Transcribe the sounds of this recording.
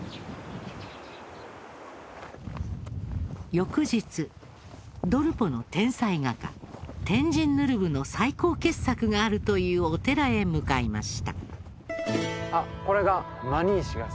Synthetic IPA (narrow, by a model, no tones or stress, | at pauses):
jo̞kɯ̟ʑit͡sɨ | d̪o̞ɾɯ̟po̞no̞t̪ẽ̞ɰ̃saiɡaka̰t̪ẽ̞ɲ̟d͡ʑĩnːɯ̟ɾɯ̟bɯ̟no̞saiko̞ːke̞ssːakɯ̟ɡaːɾɯ̟t̪o̞jɯ̟ːo̞t̪e̞ɾae̞mɯ̟kaima̰ɕi̥t̪a̰ | ako̞ɾe̞ɡa | maɲ̟iːɕiɡa